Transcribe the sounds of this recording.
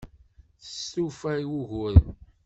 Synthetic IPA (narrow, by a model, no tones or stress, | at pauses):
θə̥sufæwuʝʊɾ